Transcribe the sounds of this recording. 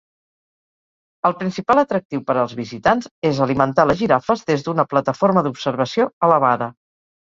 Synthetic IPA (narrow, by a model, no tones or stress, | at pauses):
əlˠpɾinsipalˠət̪ɾək̚t̪iwpəɾəlˠzβizit̪anzezəlimənt̪aləʒiɾafəzðezðunəplət̪əfoɾməðupsəɾβ̞əsioələβ̞aðə